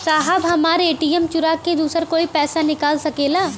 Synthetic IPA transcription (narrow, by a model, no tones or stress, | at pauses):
saːɦəbɦɐmaːɾeːʈiːjɛmt͡ʃʊɾaːkːed̪uːsəɾkoːipɛːsanɪkaːlsɐkeːlaː